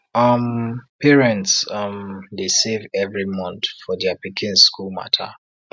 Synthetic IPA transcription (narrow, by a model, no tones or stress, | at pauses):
ʌmpʰɛɹɛ̃ntsʌmdesevɛvɹimɔ̃ntfɔdɛapikʰĩnskulma̰tʰa̰